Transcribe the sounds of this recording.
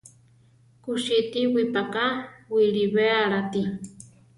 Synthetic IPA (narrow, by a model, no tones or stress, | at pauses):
kuʃit̪iwipakawiɺiβeaɾat̪i